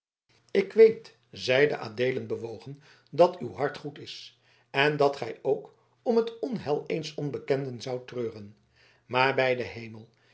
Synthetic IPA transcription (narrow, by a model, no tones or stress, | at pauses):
ɪkʋejt | zɛjdə̰ʔa̰ːdeːlənbəʋowχən | dɑtywɦɑɹtχutɪs | ɛndɑtχɛjowk | ɔmɦətɔnɦɛlˠejnsɔnbəkɛndənzɑwtrøːrən | maːɹbɛjdəɦejməlˠ